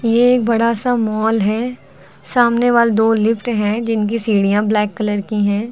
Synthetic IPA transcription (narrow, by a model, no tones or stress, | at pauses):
jeeːk̚bɐɽasamɔːlɦɛ | saːmneʋaːld̪oːlɪfʈɦɛ̃d͡ʒɪnk̬isiːɽijãblɛːkːɐləɾkiɦɛ̃ː